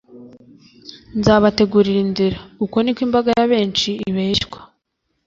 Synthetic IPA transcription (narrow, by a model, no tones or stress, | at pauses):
nzaːβate̞ɡuɾiɾinziɾauko̞nikwiːmbaɡajaβe̞ːnt͡ʃiːβeʃkwḁ